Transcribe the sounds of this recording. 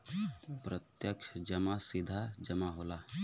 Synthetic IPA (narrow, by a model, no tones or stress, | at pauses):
pɾət̪jəkʃd͡ʒəmasɪd̪ʱad͡ʒɐmaɦoːla